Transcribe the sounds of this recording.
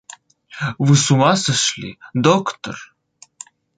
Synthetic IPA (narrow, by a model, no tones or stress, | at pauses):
vɨsumasəʃlʲḭd̪okt̪o̰r